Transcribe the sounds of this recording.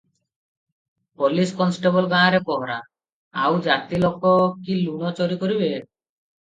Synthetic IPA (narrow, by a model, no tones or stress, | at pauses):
poliskɔnsʈebɔlɡãaɾepɔɦɾa̰ | awd͡ʑat̪ːilɔkːokilunot͡ɕoɾikoɾiβe